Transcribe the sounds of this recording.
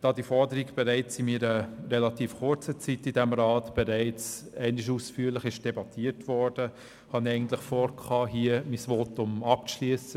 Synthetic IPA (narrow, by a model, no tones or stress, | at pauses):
d̥ɑːdifɔɾdəɾikb̥ɛɾɛɪt͡simiɾəɾɛlɑtiːfχʊɾt͡sət͡sitidɛmɾɑːtb̥ɛɾɛɪt͡sɛɪnɪʃ̬uːsfyːlɪχɪʃd̥ɛbɑtʰiːətʋɔɾd̥ə | hɑniɛɪɡn̩t̪lɪχfoːɾkʰɑːɦiəmisʋoːtʊmɑpʃliəsə